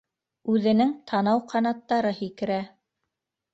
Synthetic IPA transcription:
ʉðɘ̆nɘŋt̪ʰɑnɑwqʰɑnɑt̪ːɑɾɤhikɘ̆ɾæ

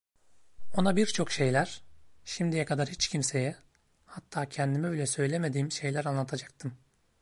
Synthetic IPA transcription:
o̞nabiɾt͡ʃʰo̞kʃe̞jlʲæɾ̥ʃimd̪ijɛkʰad̪aɾhit͡ʃcʰimse̞jɛ | hat̪ʰːaːcʰɛnd̪imɛbilʲɛsø̞jlʲeme̞d̪iːmʃe̞jlʲæɾanlˠat̪ʰad͡ʒḁk̚t̪ʰɯm

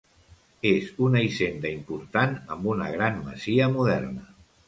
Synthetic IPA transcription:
ezunəisend̪əimpuɾt̪anəmbunə̰ɣ̞ɾanmə̰ziəmuðɛ̰rnə

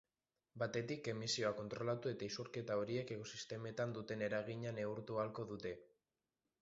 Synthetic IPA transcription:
bat̪e̞t̪ike̞misio̞ako̞nt̪ɾo̞lat̪ue̞t̪aisuɾke̞t̪ao̞ɾie̞ke̞ɣo̞sist̪e̞me̞t̪and̪ut̪e̞ne̞ɾaɣ̞iɲane̞uɾt̪ualko̞ðut̪e̞

